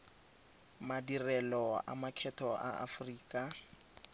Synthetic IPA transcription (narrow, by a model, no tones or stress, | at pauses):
madirɛlɔa̰makʰɛtʰɔʔa̰a̰friːkʼa